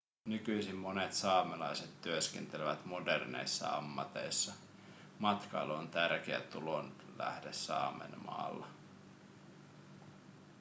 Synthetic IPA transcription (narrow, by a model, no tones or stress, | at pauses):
nykyjsimːo̞ne̞t̪sɑːmelɑjset̪ːyøskent̪eleʋæt̪mo̞de̞rnḛjsːɑ̰ɑ̰mːɑt̪e̞̰jsːɑ | mɑt̪kɑjluont̪ærk̟eæ̰t̪ulonlæ̰hdesːɑ̰ːmḛnmɑ̰ːlːɑ